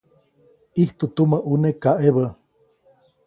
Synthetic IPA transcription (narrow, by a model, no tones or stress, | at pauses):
iht̪ut̪uməʔunekaʔeβə